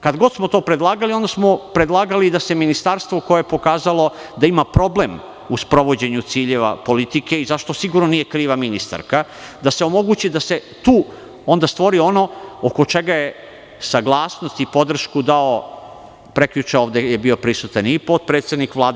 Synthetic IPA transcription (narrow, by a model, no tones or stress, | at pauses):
kad̪ɡo̞d̪smot̪o̞ːpɾed̪lˠaːɡalio̞nd̪asmo̞pɾed̪lˠaːɡalid̪ase̞minist̪aɾst̪ʋoko̞jejepo̞kaːzalo̞ | d̪aimapɾo̞ble̞m | uspɾo̞ʋo̞d͡ʑe̞ɲut̪siːʎe̞ʋa̰po̞lit̪ike̞izaʃt̪o̞siɡuɾnonije̞kɾiːʋaminist̪a̰ɾka | d̪ase̞o̞mo̞ɡut͡ɕid̪ase̞ | t̪uː | o̞nd̪ast̪ʋo̞ɾio̞no̞okot͡ʃe̞ɡaje | saɡlˠaːsnost̪ipo̞d̪r̩ʃkud̪ao | pɾekjut͡ʃaoʋd̪ejebio̞pɾisut̪anipot̪̚pɾeːt̪sed̪nikʋlˠaːd̪